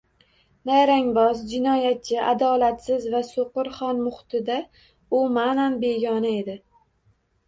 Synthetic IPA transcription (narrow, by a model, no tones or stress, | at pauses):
najɾaŋbɒzd͡ʒɪnɒjat̪̚t͡ʃʰɪʔad̪ɒlat̪sɪzvasoqɨɾχɒnmʊχt̪ʰɪd̪a | ʊmananbe̞ɡʲɒnae̞d̪ɪ